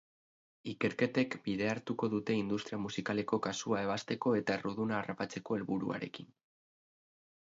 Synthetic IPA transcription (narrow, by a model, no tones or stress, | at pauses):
ike̞ɾke̞t̪e̞kbiðe̞aɾt̪uko̞ðut̪e̞ind̪ust̪ɾiamusikale̞ko̞kasuae̞β̞ast̪e̞ko̞e̞t̪aeruð̞unaːrapat͡se̞ko̞e̞lβuɾṵa̰ɾe̞̰kin